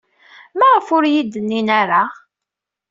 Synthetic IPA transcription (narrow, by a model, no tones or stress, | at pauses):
mæʁəfʊɾjid̪ːənːinaɾa